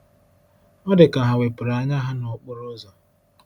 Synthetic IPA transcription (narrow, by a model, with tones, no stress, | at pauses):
ɔ˦dɪ˨ka˨ɦa˨we˨pʊ˨ɾa˨a˨ɲa˦ɦa˦no˨k͡pʊ˦ɾo˦zɔ˨